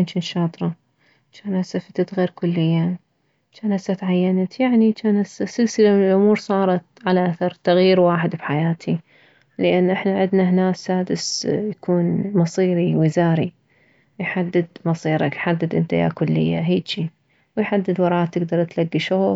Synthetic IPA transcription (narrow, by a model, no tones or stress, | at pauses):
int͡ʃiːnʃɑːt̪ˤɾˤɑ | t͡ʃaːnʔasafɪt̪at̪ɣeːɾkʊlːɪjːa | t͡ʃaːnhasːat̪ʕajːanat̪jaʕnit͡ʃaːnʔasːasɪlsɪlamɪnɪlʔʊmuːɾsˤɑːɾˤɑt̪̚ʕalaʔaθɑɾˤt̪aɣjiːɾwaːħɪd̪bħajaːt̪ʰi | lɪʔanːʔɪħnaʕɪd̪nahnaːsːaːd̪ɪsjakʰuːnmɑsˤiːɾiwɪzaːɾi | jħad̪ːɪd̪mɑsˤiːɾˤɑkjħad̪ːɪd̪ʔɪnt̪aja̰ːkʊlːɪ̰jːa̰ɦiːt͡ʃi | wɪjħad̪ːɪd̪wɑɾˤɑːt̪ːɪɡd̪ɑɾˤt̪laɡːiʃʊ